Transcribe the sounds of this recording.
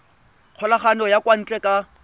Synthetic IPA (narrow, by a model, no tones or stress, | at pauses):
q͡χʰɔlaχanɔjakʼwan̩t͡ɬʼɛkʼa